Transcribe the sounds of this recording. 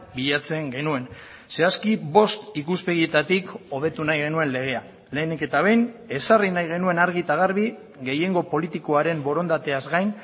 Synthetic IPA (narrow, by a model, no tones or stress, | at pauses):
biʎat͡se̞ŋɡe̞nue̞n | se̞askiβo̞st̪ikuspe̞ɣ̞ie̞t̪at̪iko̞β̞e̞t̪unajɣe̞nue̞nle̞ɣ̞e̞a | le̞ːnike̞t̪aβ̞e̞jne̞sarinajɣ̞e̞nue̞naɾɣit̪aɣ̞aɾβi | ɣe̞je̞ŋɡo̞po̞lit̪iko̞aɾe̞mbo̞ɾo̞nd̪at̪e̞azɣajn